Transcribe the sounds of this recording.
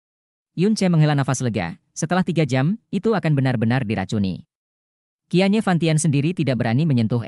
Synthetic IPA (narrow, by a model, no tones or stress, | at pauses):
junt͡ʃɛməŋɦəlanafasləɡa̰ | sət̪əlaht̪iɡad͡ʒamit̪uakanbənarbənardiɾa̰t͡ʃunḭ | kiaɲafant̪iansəndiɾit̪idaʔbəɾaniməɲənt̪ʊɦ